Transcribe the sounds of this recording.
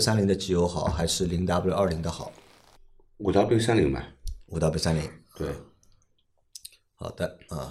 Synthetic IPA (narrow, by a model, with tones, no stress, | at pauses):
sa˥nli˧˥ŋd̪ə˧t͡ɕ̩˧˥˩jo˧˥ʊxɑ˨˩˦ʊxa˧˥ɪʂɻ̩˥˩li˧˥ŋt̪a˥pu˥ljɐ˞˥˩li˧˥ŋd̪ə˧xɑ˨˩˦ʊ | u˨˩t̪ɑ˥ʊpi˥ŋsa˥nli˧˥ŋbɐ̰˧˩u˨˩t̪ɑ˥˧pi˥˩ŋsa˥nli˧˥ŋt̪we˥˩ɪ | xɑ̰˨˩d̪̥ə˦ɐ˥˩